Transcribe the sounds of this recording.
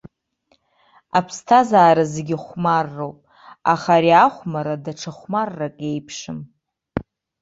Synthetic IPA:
apʰstʰazaːɾazeɡʲɪχʷmarːowpʼ | aχaɾiaχʷmaɾadaʈ͡ʂʰaχʷmarːakʼe̞jpʰʂɨm

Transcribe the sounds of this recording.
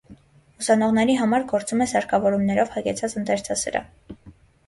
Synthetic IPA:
usɑnɔʁnɛɾiɦɑmɑɾɡɔɾt͡sumɛsɑɾkʰɑvɔɾumnɛɾɔvhɑɡɛt͡sʰɑt͡sənt̪ɛɾt͡sʰɑsə̰ɾɑ̰

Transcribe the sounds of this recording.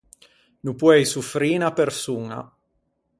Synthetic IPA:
nupwɛjsufɾiːnapersuŋa̰

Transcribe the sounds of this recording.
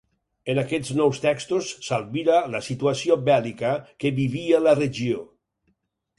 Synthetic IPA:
ənakɛd͡znɔwst̪ɛkst̪osːalˠβiɾaləsit̪uasiobɛlikəkəβiβialəreʒio

